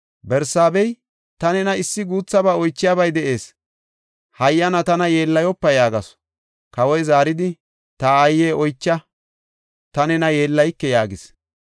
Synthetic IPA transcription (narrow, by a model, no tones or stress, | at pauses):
bɛɾsaːbɛj | t̪ɐnɛnɐɪsːɪɡuːt͡sːɐbaːɔjt͡ʃːɪjaːbɐjd̪ɛʔe̞ːs | hɐjːɐnɐt̪ɐnɐje̞ːlːɐjɔpːɐjaːɡɐs | kɐwɔjzaːɾɪd̪ɪ | t̪ɐːjːeːʔɔjt͡ʃːɐ | t̪ɐnɛnɐjeːlːɐjkːɛjaːɡɪs